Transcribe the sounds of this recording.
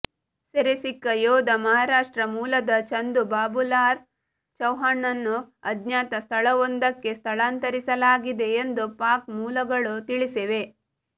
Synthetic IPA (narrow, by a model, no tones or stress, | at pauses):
seɾesikːɐjoːd̪ɐmɐɦaːɾaːʂʈɾɐmuːlɐd̪ɐt͡ʃɐnd̪ubaːbulaːɾ | t͡ʃɐwɦaːɳːɐnːuɐd̪ɲjaːt̪ɐst̪ʰɐɭɐʋond̪ɐkːe̞st̪ʰɐɭaːnt̪ɐɾisɐlaːɡid̪e̞ːnd̪upaːkmuːlɐɡɐɭut̪iɭiseʋe̞